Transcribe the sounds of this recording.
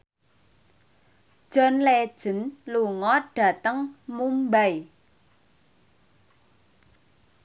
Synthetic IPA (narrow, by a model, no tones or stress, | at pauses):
d̥ʒ̥ɔ̤nled̥ʒ̥ə̤nluŋɔɖ̥a̤t̪əŋmumbaj